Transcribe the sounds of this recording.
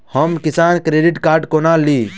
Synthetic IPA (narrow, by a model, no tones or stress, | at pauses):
həmkɪsaːnkɾeːɖiʈkaːɾɖkoːnali